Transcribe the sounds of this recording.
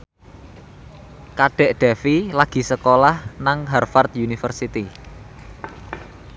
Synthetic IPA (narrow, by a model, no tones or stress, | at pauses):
kaɖ̥ɛ̤ʔɖ̪̥a̤filaɡ̥i̤səkolahnaŋɦarfart̪unifərsit̪i